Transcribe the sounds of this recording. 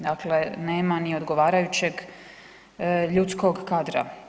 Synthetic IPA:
d̪akle̞neːmanio̞d̪ɡo̞ʋaːɾajut͡ɕe̞ɡ | ʎut̪sko̞ɡkaːd̪ɾa̰

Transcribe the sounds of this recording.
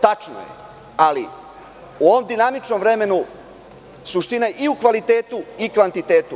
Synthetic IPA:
t̪at͡ʃno̰jḛ | alḭ | uo̞ʋo̞md̪inamit͡ʃnomʋɾe̞me̞nu | suʃt̪inajiukʋalit̪e̞ːt̪uikʋant̪it̪e̞ːt̪u

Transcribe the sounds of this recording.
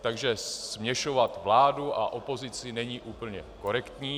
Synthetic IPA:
t̪aɡʒɛsmɲɛʃovat̪vlaːduʔa̰ʔo̞po̞zɪt͡sɪnɛɲiːʔuːpl̩ɲɛko̞ɾɛkt̪ɲiː

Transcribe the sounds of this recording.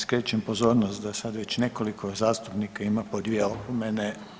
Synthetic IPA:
skɾet͡ɕempozo̞ːɾnost̪d̪asad̪ʋet͡ɕne̞kolikozaːst̪upnikaimapod̪ʋʲjeopomene

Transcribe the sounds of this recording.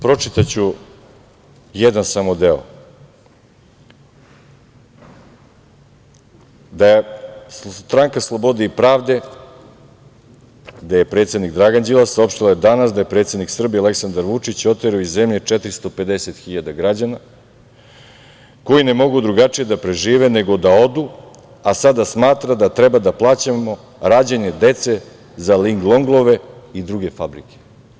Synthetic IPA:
pɾo̞t͡ʂit̪at͡ɕu | jɛd̪ansamod̪eo̰ | d̪ajesst̪ɾaŋkaslˠobo̞d̪eipɾaːvd̪e̞ | d̪aje̞pɾet̪se̞d̪nikd̪ɾaɡand͡ʑilasao̞pʃt̪ilajed̪anasd̪aje̞pɾet̪se̞d̪niksr̩bialeksand̪aɾʋut͡ʂit͡ɕo̞t̪eɾaoizːe̞mʎe̞t͡ʂɛt̪ɾist̪o̞pe̞d̪eset̪xiʎad̪aɡɾad͡ʑana | ko̞jine̞mo̞ɡud̪ɾuɡat͡ʂije̞d̪apɾe̞ʒiːʋe̞ne̞ɡo̞d̪ao̞d̪u | asad̪asmaːt̪ɾad̪at̪ɾɛbad̪aplˠaːt͡ɕamo̞ | ɾaːd͡ʑaɲe̞d̪e̞t̪se̞ | zaliŋɡlˠo̞ŋɡlˠo̞ʋe̞id̪ɾuɡe̞fabɾike

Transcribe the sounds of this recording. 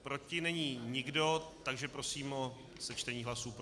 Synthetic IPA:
pɾot͡ʃcɪnɛɲiːɲɪɡdo̞t̪aɡʒɛpɾo̞siːmʔo | sɛt͡ʃt̪ɛɲiːɦlasuːp

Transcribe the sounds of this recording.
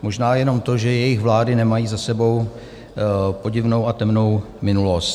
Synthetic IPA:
mo̞ʒnaːjɛno̞mt̪o̞ʒɛjɛjɪxvlaːdɪnɛmajiːzasɛbo̞w | po̞ɟɪvno̞wat̪ɛmno̞w | mɪnulo̞st̪

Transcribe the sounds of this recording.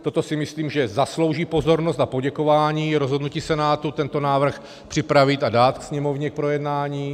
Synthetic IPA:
t̪ot̪o̞sɪmɪsliːmʒɛzaslowʒiːpo̞zo̞ɾnost̪napo̞ɟɛko̞vaːɲiːɾozɦo̞dnuciːsɛnaːt̪ut̪ɛnt̪o̞naːvr̩x | pr̥ɪpɾavɪt̪adaːt̪ksɲɛmo̞vɲɛk̚pɾo̞jɛdnaːɲiː

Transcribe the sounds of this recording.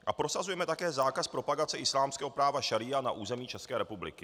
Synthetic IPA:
ʔapɾo̞sazujɛmɛt̪akɛːzaːkaspɾo̞paɡat͡sɛʔɪslaːmskɛːɦo̞pɾaːvaʃaɾiːana̰ʔuːzɛmiːt͡ʃɛskɛːɾɛpublɪ̰kɪ

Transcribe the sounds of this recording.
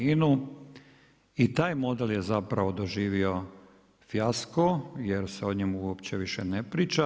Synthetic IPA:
inu | it̪aːjmo̞d̪eljezapɾaʋo̞d̪o̞ʒiːʋio̞ | fjaskojeɾseo̞ɲemuuopt͡ɕeʋiʃenepɾiːt͡ʃa

